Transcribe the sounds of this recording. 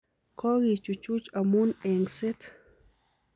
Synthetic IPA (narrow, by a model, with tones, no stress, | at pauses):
kɔ˦ɣi˨t͡ʃu˨t͡ʃu˦t͡ʃamu˦ne˨ŋse˦t̪